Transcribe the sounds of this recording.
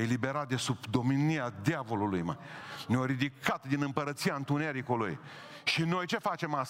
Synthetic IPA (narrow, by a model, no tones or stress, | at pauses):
elibe̞ɾat̪̚d̪e̞subd̪o̞miniad̪javo̞lulujma̰jneoɾid̪ikʰat̪d̪inɨmpəɾət̪siant̪uneɾikolṵj | ʃino̞jt͡ʃe̞fat͡ʃe̞mas